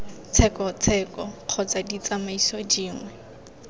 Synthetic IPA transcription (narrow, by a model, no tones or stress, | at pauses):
t͡sʰɛkɔt͡sʰɛːkɔq͡χʰɔt͡sadit͡samaisɔd͡ʒiːŋwɛ